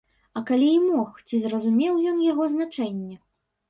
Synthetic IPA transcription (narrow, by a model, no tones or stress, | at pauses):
ɐkalʲiːmɔxt͡sʲizrɐzumʲɛwjɔnjaɣɔznat͡ʂɛnʲːɛ